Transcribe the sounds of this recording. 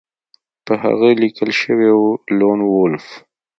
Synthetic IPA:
pəɦa̰ɣəlikəlʃəwewulonwolf

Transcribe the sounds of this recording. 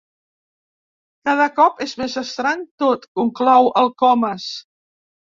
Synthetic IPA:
kaðəkɔpezmezəst̪ɾaɲt̪ot̪kuŋklɔwəlˠkɔməs

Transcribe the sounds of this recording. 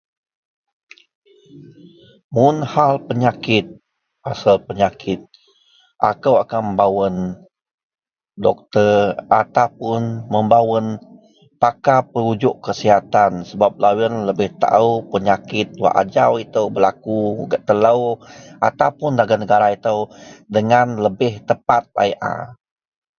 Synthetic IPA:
mʊnhalpəɲakɪt̪̚ | pasalpəɲakʰɪt̪̚ | ʔakəwakanməmbawən | dɔk̚t̪ərat̪apʊnməmbawən | pakapəɾud͡ʒʊʔkəsiɦat̪ansəbap̚lawənləbɪht̪a̰upəɲakɪt̪̚wa̰ʔa̰d͡ʒawit̪əwbəlakuṵɡaʔt̪ələwʔa̰t̪apʊndaɡanəɡaɾait̪əwdəŋanləbɪht̪əpat̪̚a̰jʔa̰

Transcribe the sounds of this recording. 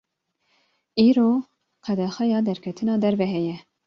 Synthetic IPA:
iːɾoː | qʰɛd̪ɛxɛjɑːd̪ɛɾkʲʰɛt̪ʰɨnɑːd̪ɛɾvɛɦɛjɛ

